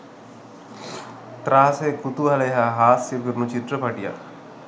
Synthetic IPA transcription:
t̪ɾaːsekut̪uɦɐleːɦaɦaːsjeɡiɾnut͡ʃit̪ɾəpɐʈija̰

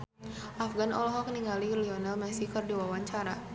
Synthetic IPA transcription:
ʔafɡanɔlɔɦɔkniŋɡalirɛliɔnalmɛsikərdiwawaɲt͡ʃaɾa

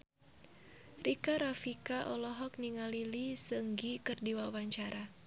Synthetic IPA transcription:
rikaɾafikaʔɔlɔɦɔk̚niŋalilisəŋɡikɨrdiwawaɲt͡ʃaɾa

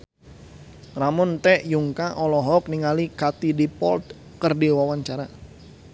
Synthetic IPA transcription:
ramʊnt̪ɛʔjuŋkaʔɔlɔɦɔk̚niŋalikat̪idipɔ̰lt̪̚ | kərdiwawaɲt͡ʃaɾa

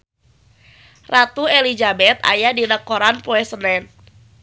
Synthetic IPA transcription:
rat̪uɛlid͡ʒabɛt̪a̰jadinəkɔɾanpoɛsənɛn

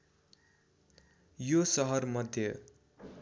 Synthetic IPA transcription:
josʌɦʌrmʌd̪ʱjʌ

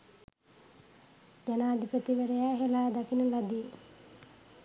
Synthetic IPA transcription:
d͡ʒanaːd̪ʱipət̪iʋeɾɐjaːɦelaːd̪akinulad̪i

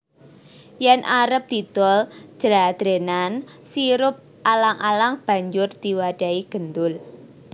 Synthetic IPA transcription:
jɛnʔaɾəp̚d̪̥i̤d̪̥ɔl̥d͡ʒ̥əlad̪̥ɾenan | siɾʊp̚ | ʔalaŋʔalaŋb̥a̤ɲd͡ʒʊrd̪̥iwaɖ̥a̤iɡ̥ənd̪ʊl

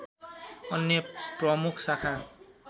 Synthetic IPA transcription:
ɔnːɔpɹɔmukʰsakʰa

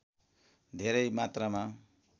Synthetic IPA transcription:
d̪ʱeɾʌjmat̪rama

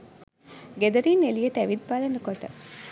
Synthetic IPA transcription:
ɡed̪ɐɾiːnelijeʈəæʋid̪̚balenəkoʈə̰

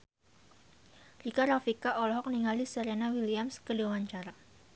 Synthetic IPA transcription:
rikaɾafikaʔɔlɔɦɔk̚niŋalisəɾenawiliamskədiwawaɲt͡ʃaɾa

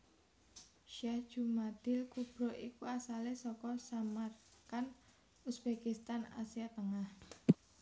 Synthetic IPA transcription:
ʃahʒ̥umad̪̥ɪlkub̥ɾoʔikuasalehsɔkɔsamarkan | usb̥ekist̪ana̰siat̪əŋah

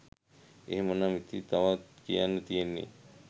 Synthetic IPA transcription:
eɦemənamit̪it̪aʋat̪kijanːət̪ijenːḛ

